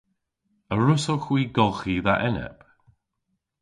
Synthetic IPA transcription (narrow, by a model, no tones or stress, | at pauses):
əɹʊsəxwiːɡɔlˠxiðaʔɛnɛ̰p